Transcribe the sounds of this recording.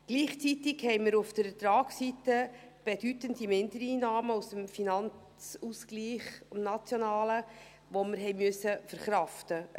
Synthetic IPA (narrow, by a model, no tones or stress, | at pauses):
ɡ̥liːχt͡sitɪɡhɛjməɾufd̥əɾɛtɾɑːksitəb̥ed̥ytəndimɪndəɾiːnɑːməusəmfinɑn | t͡suskliːχmnɑt͡sjɔnɑːlə | ʋoməɾɦɛɪmøsːəfəɾχɾɑftə